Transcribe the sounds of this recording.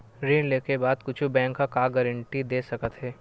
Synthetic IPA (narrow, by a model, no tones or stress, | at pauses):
ɾiːnleːkebaːd̪̚kʊt͡ʃʰubɛ̃ːŋkːakaːɡɛɾə̃ɳʈid̪eːsɐkət̪ɦɛː